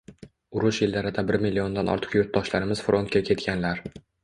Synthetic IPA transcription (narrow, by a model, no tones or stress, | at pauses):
ʊɾʊʃjɪlːaɾɪd̪abɪɾmilʲːio̞nd̪anʔɒ̰ɾt̪ʰɪ̥qjʊɾt̪̚d̪ɒʃlaɾɪmɪz̥fɾʔont̪kʲakʲʰe̞t̪kʲanlaɾ